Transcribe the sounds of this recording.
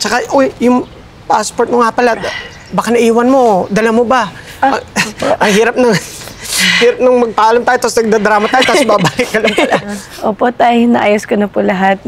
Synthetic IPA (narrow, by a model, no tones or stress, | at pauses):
t͡ʃɐkaʔojjʊŋ | pa̰spoɹt̪̚moŋapɐlad̪ | bakanɐʔiːwɐnmo̞d̪ɐlamoba | ɐʔɐŋɦiːɾɐp̚nɐŋ | hiːɾɐp̚nɐŋmɐɡ̚pɐʔaːlɐmt̪aːjot̪asnɐɡ̚d̪ad̪ɾaːmɐt̪aːjot̪asbabaːhɪkɐlɐmpɐla | ʔoːpo̞t̪ajnɐʔaːjʊskɐnɐpʊlɐɦat̪̚